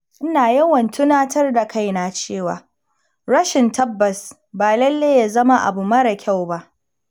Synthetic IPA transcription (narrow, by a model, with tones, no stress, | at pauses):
ʔɪ˦naː˨jɐ˦wɐ˨ntʊ˦naː˦tɐ˦rda˨ka˦˨jnaː˨t͡ʃeː˦˨wa̰ː˨ | ɾɐ˦ʃɪ˨ntɐ˦bːɐ˨s | baː˨lɐ˦lːeː˦ja˨zɐ˦ma˦ʔa̰˨bu˨mɐ˦ɽɐ˨kʲʰa˦˨wba˦ʔ